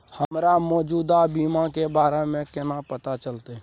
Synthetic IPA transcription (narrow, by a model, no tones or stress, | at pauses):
həmɾamɔːd͡ʒuːd̪abiːmakebaːɾemẽkɪnapət̪at͡ʃəlt̪e